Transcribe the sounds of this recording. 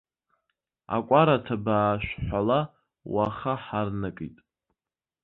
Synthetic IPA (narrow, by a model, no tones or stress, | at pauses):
a̰kʷʼaɾatʰabaːʃħʷala | waχaħarnakʼḭtʼ